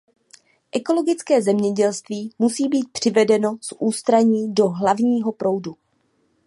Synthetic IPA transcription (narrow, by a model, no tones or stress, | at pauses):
ʔɛko̞lo̞ɡɪt͡skɛːzɛmɲɛɟɛlst̪viːmusiːbiːt̪̚pr̥ɪvɛdɛno̞sʔuːst̪ɾaɲiːdo̞ɦlavɲiːɦo̞pɾo̞wdu